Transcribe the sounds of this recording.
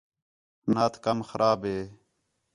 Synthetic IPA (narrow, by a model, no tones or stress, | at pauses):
naːt̪ʰkəmxəɾʔaːbɦeː